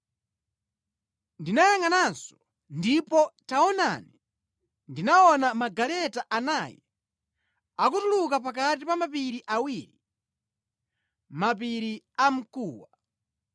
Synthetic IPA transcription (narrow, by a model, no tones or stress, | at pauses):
ndinajaŋanansɔ̥ | ndipɔtaɔna̰ni | ndinaɔnamaɡalɛtaʔanaːjɛ | akutulukapakat̬ipamapiɾiʔawiːɾi | map̬iɾi | am̩kuːwa